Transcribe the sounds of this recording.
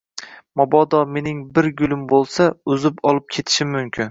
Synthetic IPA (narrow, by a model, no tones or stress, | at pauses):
mɒbɒd̪ɒme̞nɪŋbɪɾɡʊlˠɪmbolˠsaʊzɪpɒlˠɪp̚kʲʰe̞t̪ʰɪ̥ʃɪmːʊmkʲʰɪn